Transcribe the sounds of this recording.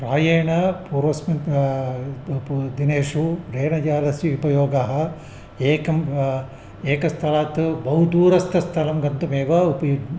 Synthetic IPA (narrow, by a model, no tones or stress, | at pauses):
pɾaːjɐjɐɳɐpuːɾʋɐsmɐn | d̪ineːʂuɾeːɳɐd͡ʒaːlɐsjiupɐjoːɡaɦɐ̆ | eːkɐm | eːkɐst̪ʰɐlaːt̪bɐɦud̪uːɾɐst̪ʰɐst̪ʰɐlɐmɡɐnt̪ɐmeːʋɐupɐju